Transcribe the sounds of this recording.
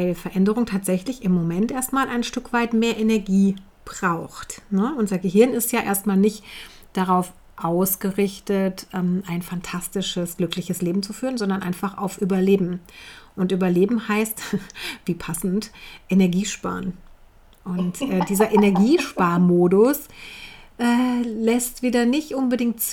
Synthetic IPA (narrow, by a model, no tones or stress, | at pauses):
vaɪlfɛɐʔɛndəʁʊŋtʰaːtz̥ɛçlɪçɪmːomɛntʔeːɐstmaːlʔaɪnʃtʏkv̥aɪtmeːɐʔenɛɐɡiː | b̥ʁaʊxtnəʔʊntz̥ɐɡəɦɪɐnɪstjaːʔḛːɐstmaːlnɪçt | d̥aʁ̞aʊf | ʔaʊsɡ̥əʁɪçtətʔɛːmʔaɪnfantʰastɪʃəsɡ̥lʏklɪçəsleːbm̩t͡sufyːʁənzɔndɐnʔaɪnfaχa̰ʊfʔyːbɐleːbm̩ʔʊntʔyːbɐleːbm̩haɪstviːpʰasn̩tʔenɛɐɡiːʃpa̰ːɐn | ʔʊntʔɛːdiːzɐʔenɛɐɡiːʃpaːɐmoːdʊs | ʔɛːlɛstv̥iːdɐnɪçtʔʊnbədɪŋktt͡s